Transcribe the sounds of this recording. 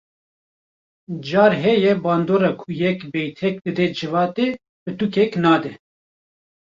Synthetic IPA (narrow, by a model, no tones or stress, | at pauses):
d͡ʒɑːɾɦɛjɛbɑːnd̪oːɾɑːkʰujɛkbɛjt̪ʰɛk̚d̪ɨd̪ɛd͡ʒɨvɑːt̪e | bɨt̪ukɛknɑːd̪ɛ